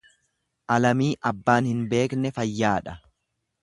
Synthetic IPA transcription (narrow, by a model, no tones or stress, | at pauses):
ʔɐlɐmiːʔɐbːaːnhɪnbe̞ːknɛfɐjːaːᶑɐ